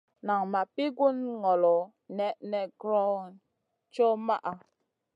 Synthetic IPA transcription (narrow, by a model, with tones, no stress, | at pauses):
na˨ŋma˨pi˦ɡu˦nŋɔ˨lɔ˨ | nɛ˦ʔnɛ˨ɡɾɔ˦n | t͡ʃɔ˦ma˦ʔa˨